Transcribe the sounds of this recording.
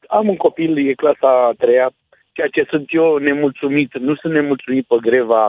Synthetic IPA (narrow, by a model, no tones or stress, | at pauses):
amuŋko̞piljeklasat̪ɾeja | t͡ʃejat͡ʃe̞sɨnt̪jene̞mult̪sumit̪nusɨnt̪ne̞mult̪sumit̪̚pəɡɾeva